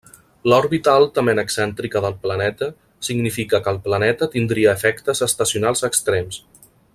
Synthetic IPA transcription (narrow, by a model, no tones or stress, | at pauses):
lɔɾβit̪əalˠt̪əmenəksɛnt̪ɾikəðəlˠplənɛt̪ə | siɡnifikəkəːlˠplənɛt̪ət̪ind̪ɾiəːfɛkt̪əzəst̪əsiunalˠzəkst̪ɾems